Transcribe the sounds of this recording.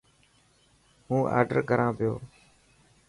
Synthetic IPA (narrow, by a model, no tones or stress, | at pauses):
hũːʔa̰ːɾɖəɾkəɾãːpɪjoː